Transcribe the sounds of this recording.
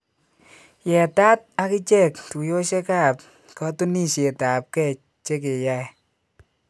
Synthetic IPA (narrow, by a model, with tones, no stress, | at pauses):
jɛ˨ta˦t̚a˧kɪ˦t͡ʃɛ˦˨ktu˨jo˦ʃe˦ka˦˨p̚ | kɔ˦tu˦ni˦ʃe˨ta˨p̚kɛ˦˨ | t͡ʃe˦k̬e˨ja˦˨j